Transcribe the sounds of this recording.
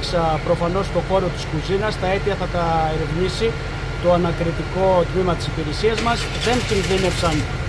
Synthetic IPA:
ksɐpɾo̞fɐno̞st̪o̞xo̞ɾo̞t̪i̥skuzinɐst̪ɐe̞t̪iɐθɐt̪ɐeɾevɲisi | t̪o̞ɐnɐkɾit̪iko̞t̪mimɐt̪i̥sipiɾe̞siɐzmɐz | ðe̞nt̪inðine̞psɐn

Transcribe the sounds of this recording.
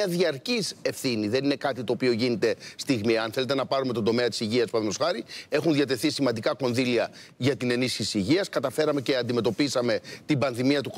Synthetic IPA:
ɐðiɐɾcise̞fθiniðe̞nine̞kɐt̪it̪o̞ːpio̞ʝinit̪e̞st̪iɣmiɐnθe̞le̞t̪e̞nɐpɐɾumet̪od̪o̞me̞ɐt̪i̥siʝiɐspɐðmosxɐɾie̞xunðjɐt̪e̞θisimɐnd̪ikɐko̞nðiliɐ | ʝɐt̪ine̞nisçisiːʝiɐskɐt̪ɐfeɾɐme̞ce̞ɐnd̪ime̞t̪o̞pisɐme̞t̪ibɐnðimiɐt̪uk

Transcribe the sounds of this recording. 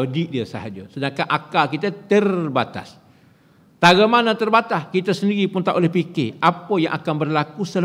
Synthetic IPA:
diʔdiəsəɦad͡ʒəsədaŋkanʔakalkit̪ət̪ərbat̪a̰s | t̪aɡamanãt̪ərbat̪askit̪əsəndiɾipunt̪aʔolɛhpikeʔapəjãŋʔakanbərlakusəl

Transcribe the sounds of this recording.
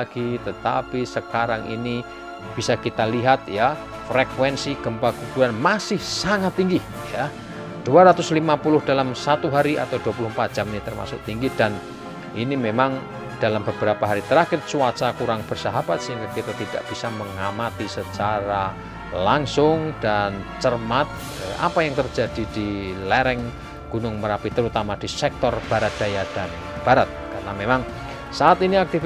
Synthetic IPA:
ɡ̥it̪ət̪apisəkaɾaŋḭni | b̥isakit̪aliɦat̪̚ja | frekwɛnsiɡ̥əmpakubuɾanmasɪhsaŋat̪ːiŋɡih | ja | d̥uaɾat̪ʊslimapulʊhd̥alamsat̪uɦaɾiʔa̰t̪awd̥uapulʊhmpat̪̚d̥d͡ʒ̥amɲat̪ərma̰sʊ̰ʔ̚t̪iŋɡid̥an | ʔinimemaŋ | d̥alambəb̥əɾapaɦaɾit̪əɾakɪtsuat͡ʃakuɾaŋb̥ərsaɦab̥at̪̚siŋkakit̪at̪id̥aʔb̥isaməŋamat̪isət͡ʃaɾa | laŋsʊŋd̥ant͡ʃərmat̪̚ | ʔa̰pajaŋt̪ərd͡ʒad̥id̥ilɛɾɛŋ | ɡ̥unʊŋməɾapit̪əɾut̪amad̥i̤sɛk̚t̪ɔrb̥aɾat̪̚d̪̥ajad̥an | b̥aɾat̪̚karnamemaŋ | saat̪iniak̚t̪i

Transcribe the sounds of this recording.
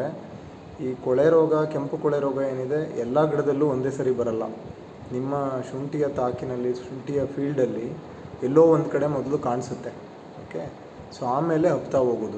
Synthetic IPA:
e | iːkɔɭeɾɔːɡɐkempukɔɭeɾɔːɡɐe̞ːnid̪e̞ɛlːɐɡɐɽɐd̪ɐlːuond̪e̞ːsɐɾibɐɾɐlːɐ̰ | nimːɐʃuɳʈijɐt̪aːkinɐlːiʃuːɳʈijɐpʰiːlɖɐlːi | ɛlːoːʋond̪kɐɽe̞mɔd̪ɐlukaːɳsut̪ːe̞ | oːke̞ | soaːme̞ːle̞ɦɐpt̪aɦoːɡoːd̪u

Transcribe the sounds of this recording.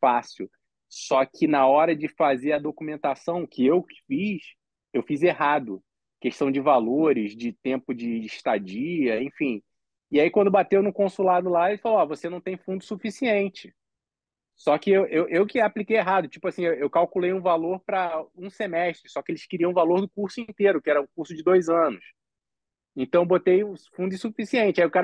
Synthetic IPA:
fasiw | sɔkʰɪnɐɔɾɐd͡ʒɪfazeɾɐd̪okumẽnt̪asɐ̃w̃kʰɪewkɪ̥fis | ewfizeɦad̪ʊ | keʃt̪ɐ̃w̃d͡ʒɪvaloɾɪzd͡ʒɪt̪ẽmpʊd͡ʒɪːʃt̪ad͡ʒiɐẽfĩ | iaikwɐ̃nd̪ʊbat̪ewnʊkõsulad̪ʊlaelɪfaloavosenɐ̃w̃t̪ẽj̃fũnd̪ʊsufisiẽnt͡ʃɪ | sɔkɪewʔewʔewkɪaplikejeɦad̪ʊt͡ʃipʊasĩewewkawkulejũvaloɾpɾɐũsemɛʃt̪ɾɪsɔkɪelɪʃkɪɾiɐ̃valoɾd̪ʊkuɾsʊĩnt̪eɾʊkɪɛɾɐũkuɾsʊd͡ʒɪd̪ojzɐ̃nʊs | ẽt̪ɐ̃w̃bot̪ejufũd̪ʊsufisiẽnt͡ʃɪaiʊkaɾɐ

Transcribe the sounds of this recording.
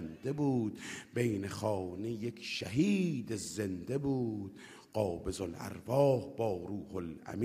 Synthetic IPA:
nd̪ebuːd̪bejnexɒːnejekʰʃæɦiːd̪ezend̪ebuːd̪̥ | ɢ̥ɒːbezolæ̰ɾvɒːhbɒːɾuːholʔæ̰m

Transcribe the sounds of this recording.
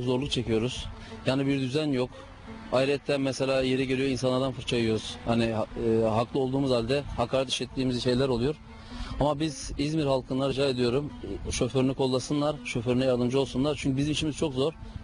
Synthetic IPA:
kzo̞ɾlˠukt͡ʃʰe̞cijo̞ɾuz̥ | jaːnibiɾd̪yzænjo̞k | ajiɾɛt̪ʰːænmɛselʲaːje̞ɾiɟeɾijoinsanˠaɾd̪anfɯɾt͡ʃʰajɯjo̞ɾuz̥haniɦaklˠɯo̞lˠd̪uːmuzalʲd̪ɛhakʰaːɾɛt̪iʃɛt̪ʰːiːmizʃe̞jlʲæɾo̞lˠujo̞ɾ | amabizizmiɾhalˠkʰɯnˠaɾid͡ʒaːe̞d̪ijo̞ɾumʃøføɾynykʰo̞lˠːasɯnlˠaɾʃøføɾynɛjaɾd̪ɯmd͡ʒɯo̞lˠsunlˠaɾt͡ʃʰyɲcybizimiʃimizt͡ʃʰo̞kzo̞ɾ

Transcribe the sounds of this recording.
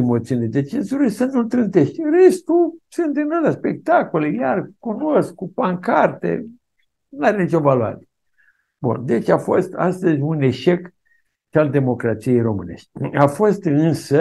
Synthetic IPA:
emo̞t̪siuniled̪et͡ʃenzuɾisənult̪ɾɨnt̪eʃt̪ʲɨnre̞st̪usɨnt̪ɨnolaspe̞k̚t̪ako̞lejarkuno̞skːupaŋkart̪ḛ | naɾe̞nit͡ʃo̞valua̰ɾe | bṵnd̪e̞t͡ʃafo̞st̪a̰st̪əzʲune̞ʃek | t͡ʃald̪e̞mo̞kɾat̪sije̞jro̞mɨne̞̰ʃt̪ʲafo̞st̪ɨnsə

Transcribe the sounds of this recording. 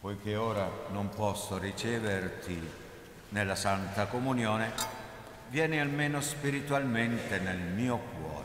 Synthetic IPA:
pɔjk̟eoːɾanompɔsːorit͡ʃɛːvert̪i | nelːasant̪akomunjoːne | vjɛːnialmeːnospiɾit̪walment̪enelmiːokwɔ̰ːɾ

